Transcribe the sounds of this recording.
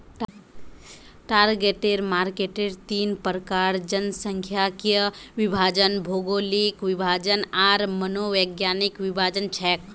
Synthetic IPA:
ʈaɾɡeʈeɾmaɾkeʈeɾt̪inpəɾəkaɾd͡ʒənsəŋkʰjakijəʋibʱad͡ʒənbʱoɡolikʋibʱad͡ʒənaɾmənoʋəɡjanikʋibʱad͡ʒənt͡ʃʰɛk

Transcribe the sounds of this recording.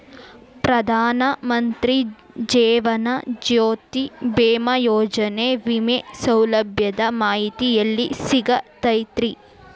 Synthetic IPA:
pɾɐd̪ʱaːnɐmɐnt̪ɾi | d͡ʒɛːʋɐnɐd͡ʒoːt̪ibeːmɐjɔːd͡ʒɐneʋimesɐwlɐbʱjɐd̪ɐmaːɦit̪ijɐlːisiɡɐt̪ɐjt̪ɾi

